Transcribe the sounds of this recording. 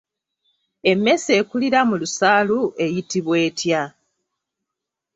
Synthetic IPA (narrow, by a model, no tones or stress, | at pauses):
e̞mːe̞se̞ːkuliɾamulusaːlue̞jitiβwe̞ːtja